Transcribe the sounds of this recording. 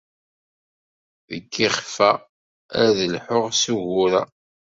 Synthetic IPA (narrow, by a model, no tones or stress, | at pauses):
ðəkːiχfæ | æ̰ðəlħʊʁsuʝʊɾæ̰